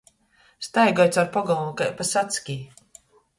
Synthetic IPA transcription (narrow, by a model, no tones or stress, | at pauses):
st̪ajɡɔjt̪saɾpɔɡɔlˠunkajpasat̪skʲiː